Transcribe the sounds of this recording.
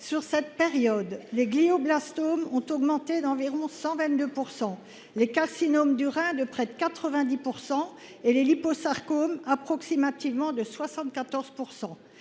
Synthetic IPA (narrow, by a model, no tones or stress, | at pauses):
syʁsɛt̪̚peʁjɔd̪leɡlioblast̪omɔ̃t̪ɔɡmɑ̃t̪ed̪ɑ̃viʁɔ̃sɑ̃vɛ̃t̪̚d̪øpuʁsɑ̃ | lekaʁsinomd̪yʁɛ̃d̪əpχɛd̪əkat̪χəvɛ̃d̪ipuʁsɑ̃ | eleliposaʁkomapχɔksimat̪ivmɑ̃d̪əswasɑ̃t̪̚kat̪ɔʁz̥puʁsɑ̃